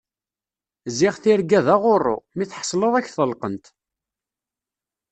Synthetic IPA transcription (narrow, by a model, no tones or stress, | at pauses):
zɪʁθɪɾɡæðaʁʊrːʊ̰miθħə̥sˤləðˤæçθəlqənt̪